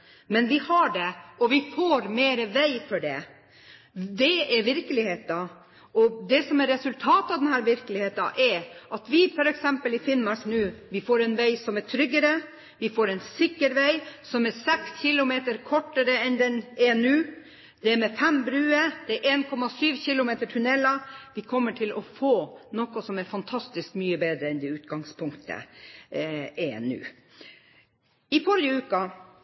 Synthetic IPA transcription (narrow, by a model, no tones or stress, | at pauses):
mɛnʋɪhɑɖɛɔʋɪfoːɾmeːɾəʋæɪfɔɖɛ̰ | d̪ɛɛɾʋɪɾkəlɪheːt̪̚d̪ɑ | ɔd̪ɛsɔmɛɾːɛsʉlt̪ʰɑːt̪ɑʋd̪ɛnɦæːɾʋɪɾkəlɪheːt̪ɑ̰ʔɛɾʔɑt̪ʋɪfɔɾɛksɛmpəlɪfɪnmɑʂnʉːʋɪfoːɾɛnʋæɪsɔmɛʈʰɾʏɡːəɾə | ʋɪfoːɾɛnsɪkːəɾʋæɪsɔmæɾsɛksçɪlʊmeːt̪əɾkʰɔʈːəɾəɛnd̪ɛneːnʉː | d̪̥ɛæɾmɛfɛmbɾʉːəd̪̥ɛæɾʔeːnkʰɔmɑsyːʋçɪlʊmeːt̪əʈʰʉnɛlɑʋɪkʰɔmːəʈʰɪlɔfoːnɔkɔsɔmæɾfɑnt̪ʰɑst̪ɪskmyːəbeːd̪ɾəɛnd̪ɛʉːt̪ɡɑŋspʰʊŋkt̪ʰə̰ | eːɛ̰nʉ̰ː | ɪfɔɾjəʉːkɑ